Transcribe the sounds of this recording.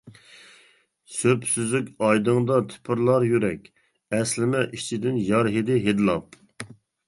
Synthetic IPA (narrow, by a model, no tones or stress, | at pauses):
søpsyzykʲɑjd̪ɨŋd̪ɑt̪ʰy̥pʰɪɾlˠɑɾjyɾɛkʲ | ɛslɪmɛʔit͡ʃʰid̪ɪnjɑɾɦed̪ɪɦed̪ɨlˠɑp̚